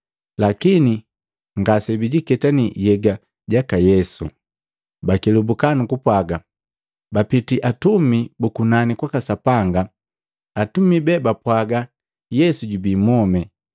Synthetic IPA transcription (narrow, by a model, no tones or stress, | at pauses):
lakini | ŋɡasɛbiɟikɛtanijɛɡa | ɟakajɛsṵ | bakilubukanukupwaɡa | bapitiʔatumibukunanikwakasapaŋɡa | atumibɛbapwaɡa | jɛsuɟubimɔmɛ